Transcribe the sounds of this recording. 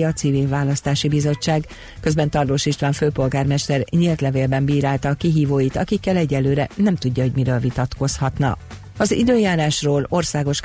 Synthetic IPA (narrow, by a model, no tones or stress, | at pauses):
ɒt̪siviːɱvaːlɒst̪aːʃibizo̞t͡ʃːaːɡ | køzbɛnt̪ɒrd̪oːʃiʃt̪ʋaːɱføːpo̞lɡaːrmɛʃt̪ɛrɲilt̪lɛveːlbɛmbiːɾaːlt̪ɒːkiɦiːvoːjit̪ɒkikːɛlɛɟɛlːøːɾɛnɛmt̪uɟːɒɦo̞ɟmiɾøːlvit̪ɒt̪ko̞shɒt̪nɒ̰ | ɒzḭd̪øːjaːɾaːʃroːlo̞rsaːɡo̞ʃ